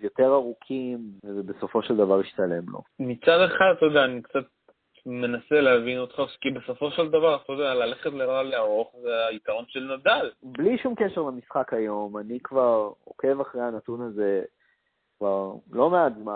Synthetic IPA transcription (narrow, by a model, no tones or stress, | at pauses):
jo̞t̪e̞ʁaʁukʰimvezebe̞so̞fo̞ʃeld̪avaʁiʃt̪ale̞mlo̰mit͡sad̪e̞χad̪t̪ojdɛaːnikt͡sat̪̚ | me̞naseleavinot̪χaskibeso̞fo̞ʃeld̪avaʁt̪ojod̪ɛalaleχet̪lelaleaʁo̞χzeaikaʁo̞nʃelnad̪albliʃumkeʃeʁlamisχakajo̞manikvaʁo̞̰ke̞vaχʁejanat̪unaze̞ | kvaʁlo̞meadzma